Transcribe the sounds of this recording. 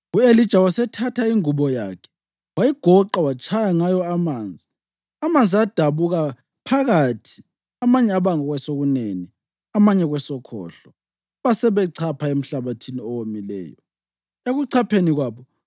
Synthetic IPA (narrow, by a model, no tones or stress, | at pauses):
uelid̥ʒ̥ʱawasɛtʰatʰaiŋuβɔja̰kʰɛ̥ | wajiɡ̥ʱɔǃawat͡ʃʼʰajaŋajɔamaːnd͡zʱi | amand͡zʱiad̥ʱaβuɣa | pʰaɣatʰi̥ | amaɲɛaβaŋɔɣwɛsoɣuneni | amaɲɛɣwɛsɔkʰɔ̰ːɬɔ | βasɛβɛǀʰapʰaem̩ɬaβatʰiniɔwomilɛ̰ːjɔ̰ | eɣuǀʰapʰeniɣwaːβɔ